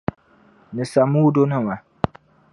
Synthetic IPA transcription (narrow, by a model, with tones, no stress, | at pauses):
nɨ˨sa˨mu˦do˦nɨ˦ma˨